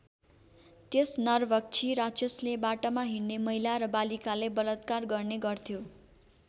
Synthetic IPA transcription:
t̪esnʌrbʱʌk̚t͡sʰiɾat͡sʌslebaʈamaɦiɽːemʌɦilaɾʌbalikalebʌlʌt̪karɡʌrneɡʌrt̪ʰjo

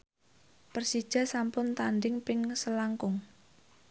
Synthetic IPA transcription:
pərsid̥ʒ̥a̤sampʊnt̪anɖɪŋpɪŋsəlaŋkʊŋ

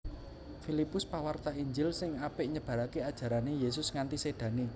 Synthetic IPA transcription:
filipʊspawart̪aiɲd͡ʒɪlsɪŋapɪʔɲəb̥ä̤ɾakead̥ʒ̥ä̤ɾanejesʊsŋant̪ised̪̥ä̤ni

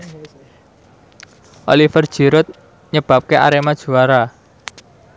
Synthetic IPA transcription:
ʔo̰lifərd̥ʒ̥i̤ɾʊt̪̚ | ɲəb̥a̤p̚kea̰ɾemad̥ʒ̥ṳaɾa

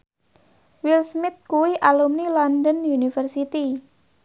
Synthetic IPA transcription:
wilsmɪt̪̚kuwiʔalumnilɔndənjunifərsit̪i

